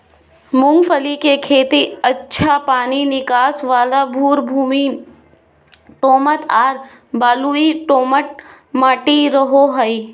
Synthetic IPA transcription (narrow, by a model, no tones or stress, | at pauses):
mʊ̃ŋɡpʰəlikekʰeːt̪iətːʃʰapaːninɪkaːsʋaːlabʱuːɾbʱuːmi | ʈoːmət̪ʰaːɾ | baːluiʈoːməʈ̚ | maːʈiɾəɦoɦəi